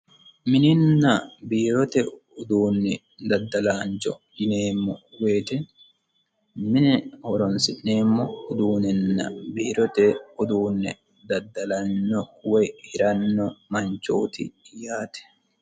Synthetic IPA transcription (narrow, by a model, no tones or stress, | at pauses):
mɪnɪnːɐbiːɾɔt̪ɛʊd̪uːnːɪ | d̪ɐd̪ːɐlaːnt͡ʃɔ̰d̪ɪneːmːɔweːt̪ɛn | mɪnɛhɔɾɔnsɪnːeːmːɔʊd̪uːnɪnːɐ̰biːɾɔt̪ɛʊd̪uːnːɪ | d̪ɐd̪ːɐlɐnːɔwɛjhɪɾɐnːɔmɐɲt͡ʃo̰ːt̪ɪ̰jaːt̪ɛ̥